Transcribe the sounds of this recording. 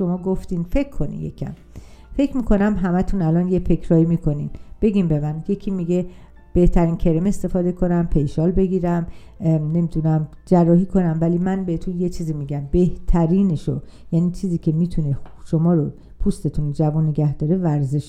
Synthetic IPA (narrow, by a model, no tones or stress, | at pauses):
ʃo̞mɒːɡoft̪infe̞kʰːo̞nḭjḛkʰæ̰m | fe̞cʰmiːkʰo̞næmɦæmæt̪ʰunælɒːnjefe̞kʰɾɒːimiːkʰo̞ninb̥e̞ɡʲimbe̞mænje̞kʰiːmiɡe̞ | b̥e̞ht̪ʰæɾiːncʰe̞ɾemest̪e̞fɒːd̪e̞kʰo̞næmpʰe̞jʃɒːlbe̞ɡiːɾæm | ne̞mid̪unæmd͡ʒærːɒːɦiːkʰo̞næmvæliːmænbehet̪ʰunje̞t͡ʃʰiːziːmiːɟæmbe̞ht̪ʰæɾiːneʃo̰jæːniːt͡ʃʰiːziːcʰʲe̞miːt̪ʰuneʃo̞mɒːɾo | pʰust̪e̞t̪ʰund͡ʒævunːeɟæhd̪ɒːɾe̞væɾze̞ʃ